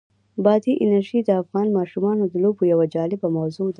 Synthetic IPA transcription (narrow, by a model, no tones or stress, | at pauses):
bɑd̪iʔɪnaɾʒid̪əafɣɑnmɑʃumɑnod̪əlobojawad͡ʒɑlɪbamawzod̪